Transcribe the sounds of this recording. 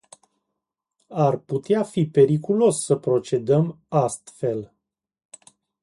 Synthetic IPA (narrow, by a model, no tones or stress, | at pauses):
arput̪eafipe̞ɾikulo̞sːəpɾo̞t͡ʃe̞d̪əm | ast̪fe̞l